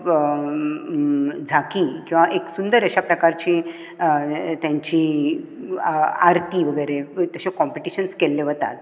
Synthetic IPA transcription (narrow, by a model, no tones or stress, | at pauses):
d͡zʱakikĩw̃ʋaʔeksund̪əɾəɕapɾəkaɾt͡ɕiː | t̪jaɲt͡ɕiː | aɾt̪iːʋəɡəjɾet̪əɕekɔmpeʈiɕənskelːeʋət̪a̰t̪̚